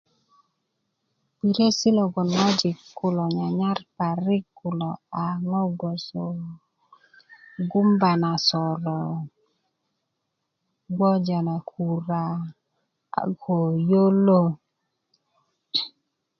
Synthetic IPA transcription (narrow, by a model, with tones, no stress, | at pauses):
pi˨ɾe˦si˦lɔ˨ɡɔ˨nŋɔ˦d͡ʒi˨kːʊ˨lɔ˨ɲa˨ɲa˦rpa˨ɾi˦kːʊ˨lɔ˨a˨ŋɔ˦ɡwɔ˨sɔ˨ | ɡu˦mba˨na˨sɔ˨ɾɔ˨ | ɡwɔ˦d͡ʒa˨na˨kʰu˨ɾa˨ | a̰˨ɡo˨jo˦lo˦